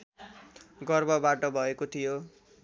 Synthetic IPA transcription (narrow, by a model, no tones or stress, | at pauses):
ɡʌrbʱʌbaʈʌbʱʌekot̪ʰijo